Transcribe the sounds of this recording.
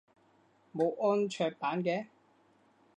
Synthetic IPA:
mo˨˧wʔɔː˥nt͡ʃʰœː˧k̚paː˨˥nkɛː˧˥

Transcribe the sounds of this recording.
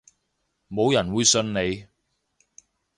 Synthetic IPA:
mo˨˧wjɐ˨˩nwuː˨˧jsɵ˧nne˨˧j

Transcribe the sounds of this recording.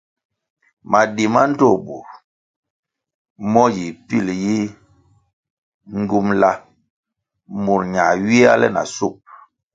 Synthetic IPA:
ma˨di˨ma˦n̩˦to˦˨bu˨ɾ | mɔ˦ji˨pi˦˨lji˦ | ŋ˦ɡu˦mla˦ | mu˨ɾɲa˨ɥi˦a˦lɛ̰˦˨na̰˨su˦˨p̚

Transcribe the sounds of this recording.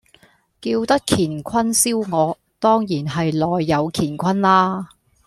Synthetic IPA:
kiː˧wt̪ɐ˥k̚kʰiː˨˩nkʷʰɐ˥nsiː˥wŋɔː˨˧ | t̪ɔː˥ŋjiː˨˩nɦɐ˨jlɔː˨jːɐ˨˧wkʰiː˨˩nkʷʰɐ˥nlaː˥

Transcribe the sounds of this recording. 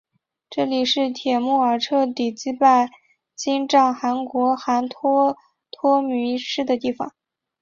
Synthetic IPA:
ʈ͡ʂɤ˥˩li˨˩ʂɻ̩˥˩t̪ʰjɛ˨˩mu˥˩ə˞˨˩ʈ͡ʂʰɤ˥˩t̪i˨˩t͡ɕi˥pa˥˩ɪ | t͡ɕi˥nʈ͡ʂɑ˥˩ŋxa˧˥nkwɔ˧˥xa˧˥nt̪ʰɔ˥ | t̪ʰwɔ˥my˧˥ʂɻ̩˥˩d̪ə˩t̪i˥˩fɑ̰˨˩ŋ

